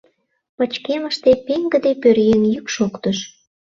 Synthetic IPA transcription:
pət͡ɕkeməʃt̪epeŋɡə̆d̪epørjenjykʃokt̪əʃ

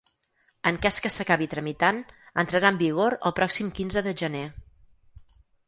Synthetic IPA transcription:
əŋkɛskəsəkaβit̪ɾəmit̪anənt̪ɾəɾaəmbiɣ̞oɾə̰lˠpɾɔksimkinzəðəʒəne

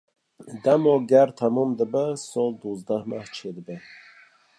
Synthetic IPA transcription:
d̪amɔɡæɾt̪ʰamɔmd̪əbəsɔlˠd̪uzd̪ahmaht͡ʃʰed̪əbə

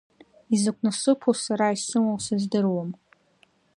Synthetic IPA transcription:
izɨkʷʰʼnasɨpʰosaɾaisɨŋawsɨzdɨrwam

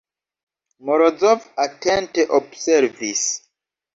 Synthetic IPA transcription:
moɾod͡zovatɛ̃nteʔobsɛɾvis

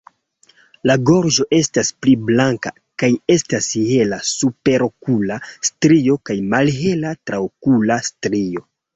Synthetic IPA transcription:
laɡo̞ɾd͡ʒo̞ʔe̞staspliblaŋka | kaje̞stashe̞lasupe̞ɾokulastɾio̞kajmalɦe̞latɾaokulastɾio̞

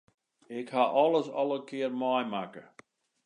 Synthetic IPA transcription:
ɪkhaʔɔləsɔlˠəkʰɪərmɔjmakə

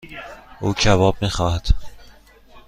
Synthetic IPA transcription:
uːd͡ʒævɒːb̚miːxɒːhæt̪

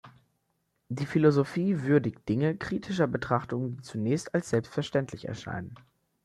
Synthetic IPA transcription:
d̥iːfilozofiːvʏɐdɪç̚d̥ɪŋəkʁ̥iːtʰɪʃɐbətʁ̥aχtʊŋədiːt͡sunɛːçstalsz̥ɛlpstfɛɐʃtɛntlɪçɛ̰ɐʃa̰ɪnən

